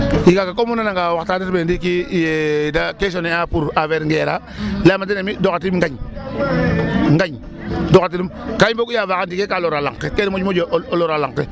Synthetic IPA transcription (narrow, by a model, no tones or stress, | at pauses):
ikakakomunanaŋɡawataditbedikijedakes̬oneapuɾaveɾŋɡeɾa̰ | lamatinemidokatiŋɡaɲ | ŋɡaɲ | dokat̬inimkaibokujavakanikekaloɾala̰ŋtekenimod͡ʒmod͡ʒoʔoloɾalaŋte